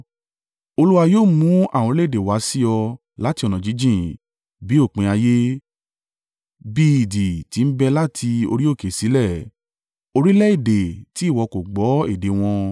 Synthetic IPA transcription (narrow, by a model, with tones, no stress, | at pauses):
o˧lu˦wa˧joː˦˨mũ˨˦a˦˨w̃ɔ̃˧lɛ˦i˦˨de˨wa˨˦si˦ɔ˧ | la˦ti˧ɔ˧˨nɔ̃˨d͡ʒi˨˦d͡ʒĩ˦˨ | bi˨˦o˦˨k͡pĩ˨˧a˧je˦ | bi˦i˨di˨ti˨˦n̩˦bɛ˧la˦tʰi˧o̰˧ɾi˦o˦˨ke˨si˨˦lɛ˦˨ | o˧ɾi˦lɛ˦i˦˨de˨ti˨˦˨wɔ˨˧ko˨ɡ͡bɔ˨˦e˦˨de˨w̃ɔ̃˧